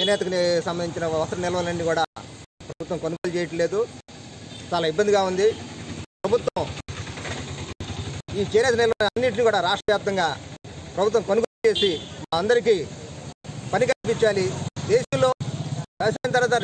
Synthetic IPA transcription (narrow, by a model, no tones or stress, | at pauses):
t͡ʃɛnɛːt̪ɐksɐmbɐniɲt͡ʃinɐʋɐsɐɾɐnilɐʋɐlɐnːikuːɽaːpɾɐbʱut̪ʋɐmkonuɡoːlt͡ʃɛːjɐʈle̞ːd̪u | t͡ʃaːlaːibːɐnd̪iɡaːund̪ipɾɐbʱut̪wʋɐm | iːt͡ʃɛːnɛːt̪ɐnilɐʋɐlɐnːiʈinikuːɽaːɾaːʂʈɾɐʋjaːp̚t̪ɐŋɡaːpɾɐbʱut̪̬ʋɐ̃mkonuɡoːlut͡ʃe̞ːsimaɐnd̪ɐɾik̬iː | pɐnikɐlp̬iɲt͡ʃːaːlid̪eːʃɐmlo̞ːʋɛʋɐs̬aːjnɐt̪ɐɾʋaːt̪ɐ